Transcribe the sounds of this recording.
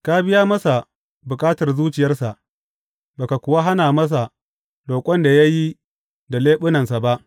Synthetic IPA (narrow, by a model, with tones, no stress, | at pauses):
ka˦bɪ˦ja˦mɐ˦sa˨ | bʊ˨kʼaː˦tɐ˨rzuː˦t͡ʃɪ˨jɐ˦rsa˨ʔ | ba˨ka˨kʷʊ˨wa˦ɦa˦naː˨mɐ˦s̬a˨ | loː˨kʷʼɔ˦nda˨ja˦ji˦ | da˨leː˦ɓʊ˦nɐ˨nsa˨ba˦ʔ